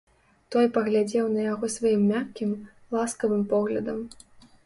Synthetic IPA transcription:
t̪ɔjpɐɣlʲad͡zʲɛwnɐjaɣɔsvajimːʲakʲːim | lˠaskɐvɨmpɔɣlʲɐ̰d̪ɐm

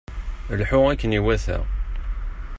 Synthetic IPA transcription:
lħʊʁækːəniwæθæ̰ʁ

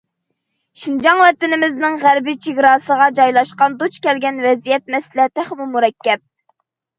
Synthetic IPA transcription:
ʃind͡ʒɑŋwɛt̪ɪnɪmɪznɪŋʁæɾbit͡ʃʰiɡʲɾɑːsəʁɑd͡ʒɑjlˠɑʃqɑnd̪ot͡ʃkʲɛlɡʲɛnwɛzijɛt̪̚mɛslɛt̪æχmumuɾɛkʲːɛp̚

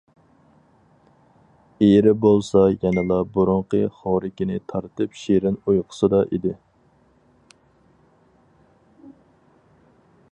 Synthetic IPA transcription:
eɾɪbolˠsɑjɛnɨlˠɑbʊɾʊɴqəχɑɾɪkʲɪnɪt̪ʰɑɾt̪ɨpʃeɾɪnujqʰə̥sɨd̪ɑʔid̪ɪ

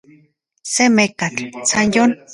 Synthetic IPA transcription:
semekat͡ɬsanjon

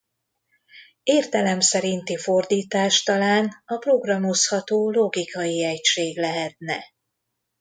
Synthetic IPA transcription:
eːrt̪ɛlɛmsɛɾint̪ifo̞rd̪iːt̪aːʃt̪ɒlaːnɒpro̞ɡrɒmo̞shɒt̪oːlo̞ɡikɒjiɛcʃeːɡlɛɦɛt̪nɛ̰

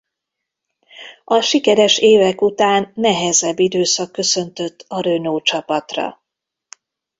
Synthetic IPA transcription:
ɒʃikɛɾɛʃeːvɛkut̪aːnːɛɦɛzɛbːid̪øːsɒkːø̞sø̞nt̪ø̞t̪ʰːɒɾønoːt͡ʃɒpɒt̪rɒ̰

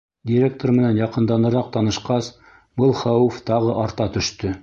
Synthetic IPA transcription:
dʲiɾʲek̚t̪ormɘ̆nænjɑqɤ̆nd̪ɑnɤ̆ɾɑq̚t̪ɑnɤ̆ʃqɑs | bɤlˠχæwɘft̪ɑʁɤʔɑɾt̪ɑt̪ɵ̆ʃt̪ɵ

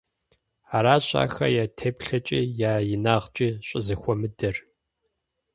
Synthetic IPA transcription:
aːɾaːɕʼa̰ːxɐ̰jaːtʰeːpɬɐt͡ʃʼiːjaːjɪnaːʁt͡ʃʼiːɕʼɪzɨxʷɔmɨdɐr

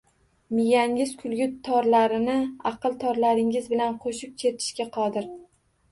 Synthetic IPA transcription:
mɪjaŋʲɪz̥kʲʰʊlɡʲʊt̪ʰːɒɾlaɾɪnɪɑqɨlˠt̪ʰɒɾlaɾɪŋɪzbɪlanqʰoʃɪp̚kʲʰe̞t̪ʰɪ̥ʃkʲaqʰɒd̪ɪɾ

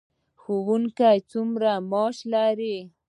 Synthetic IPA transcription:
xʊwʊŋkajt͡sʊmɾamoʃlaɾi

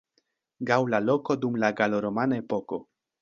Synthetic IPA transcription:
ɡawlalo̞ko̞dumlaɡaloɾo̞manae̞po̞ko̞

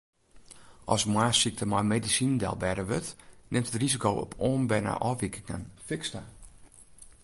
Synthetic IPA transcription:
ʔɔsmwaːsik̚təmɔjmedisindɛ̰lˠbɛdəʋøtnʔɪmtʰətrizikowɔ̰pʰoːnbɛjna̰ʔɔʋikʰɪŋa̰nfɪksta

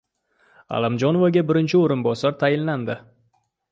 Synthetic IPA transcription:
a̰lˠɪmd͡ʒonovaɡʲabɪɾɪnt͡ʃʰɪoɾʊnbɒsaɾt̪ʰajɪnland̪ɪ

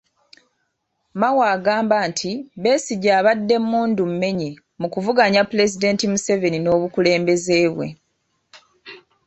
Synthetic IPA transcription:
mawaːɡaːmbaːntʰiβe̞ːsiɟaːβadːe̞muːndum̩me̞ɲe | mukuvuɡaɲapːule̞zide̞ːntimuse̞ve̞nino̞ːβukule̞ːmbe̞ze̞ːβwe̞̰

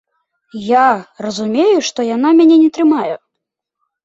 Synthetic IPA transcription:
jarɐzumʲejuʂt̪ɔjan̪amʲanʲɛnʲɛt̪ɾɨmajɛ

